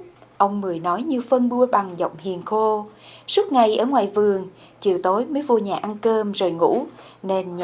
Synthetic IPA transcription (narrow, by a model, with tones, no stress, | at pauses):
ʔə˧wŋ͡mmɨ˨˩əjnɔ˨˦jɲɨ˧fə˧nɓu˧əɓa˨˩ŋzə̰˧˨wŋ͡mhḭ˨˩ənxo˧sɨ˦˥k̚ŋa˨˩jʔəː˧˩ŋwaː˨˩jvɨ˨˩əŋ | t͡ɕḭ˨˧˩əwt̪o˨˦jmə˨˦jvṵ˨˩əɲaː˨˩ʔa˧nkəː˧mzoː˨˩jŋṵ˧˥ne˧nɲ